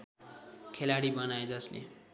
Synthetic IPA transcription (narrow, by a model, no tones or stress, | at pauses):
kʰelaɽibʌnajd͡zʌslḛ